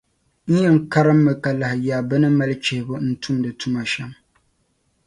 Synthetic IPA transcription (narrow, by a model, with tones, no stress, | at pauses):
ɲ̩˦jɛ˦ŋ˦ka˦ɾɨ˦mːɨ˨ka˨la˨hɪ˨jaː˨bɨ˦nɨ˦ma˦lɨ˦t͡ʃe˨hɪ˨bɨ˦n̩˦tʰu˦mdɨ˨tu˦ma˨ʃɛ˦m